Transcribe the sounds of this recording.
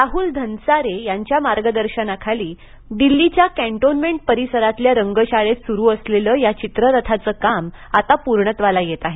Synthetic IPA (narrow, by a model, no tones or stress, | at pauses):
ɾaɦuːld̪ʱənsaɾejaɲt͡ɕjamaɾɡəd̪əɾɕənakʰaliː | ɖ̪ilːit͡ɕjakæ̃ɳʈonmeɳʈ̚pəɾisəɾat̪ljaɾəŋɡəɕaɭet̪suɾuːəsleləːjat͡ɕit̪ɾəɾət̪ʰat͡səːkamat̪apuɾɳət̪ʋalajet̪aɦe